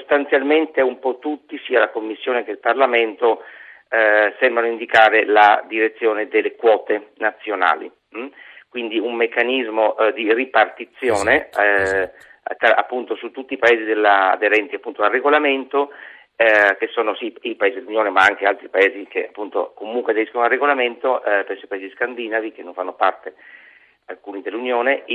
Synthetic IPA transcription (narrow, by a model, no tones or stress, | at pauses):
ssost̪ant̪sjalment̪eumpɔt̪ːut̪ːisiːalakomːisːjoːnek̟eilparlament̪o | sɛmbɾanoind̪ikaːɾelad̪iɾet̪sːjoːned̪elːekwɔːt̪enat̪sːjona̰ːlḭ | kwind̪iumːekːanizmod̪iripart̪it̪sːjoːne | t̪aa̰pːunt̪osut̪ːut̪ːiːpaeːzid̪elːa̰d̪eɾɛnt̪iapːunt̪oareɡolament̪o | kesːoːnosiipaeːzid̪elːunjoːnemaaŋk̟ealt̪ɾipaeːzik̟ḛapːunt̪o̰komuŋkwead̪eɾiskonoalrːeɡolament̪opɛsːoipaeziskand̪inavikenːoɱfanːopart̪e | alkuːnid̪elːunjoːne